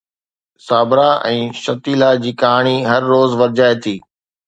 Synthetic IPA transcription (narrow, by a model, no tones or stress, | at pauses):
saːbɾaʔɛ̃ːʃɐt̪iːlad͡ʑiːkaːɽ̃iɦɐɾːoːzʋɐɾd͡ʑaːet̪ʰiː